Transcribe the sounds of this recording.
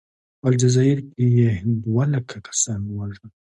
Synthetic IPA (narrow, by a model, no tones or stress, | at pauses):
ald͡ʒazɑɪɾkejed̪walakʰakʰḁsɑnwaʐa